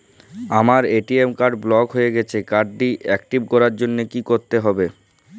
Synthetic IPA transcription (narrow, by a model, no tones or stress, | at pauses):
amaɾeʈiemkaɾɖblɔɡɦoeɡɛt͡ɕʰekaɾɖːiʔɛkʈibkɔɾaɾd͡ʑonːekikoɾt̪eɦɔbe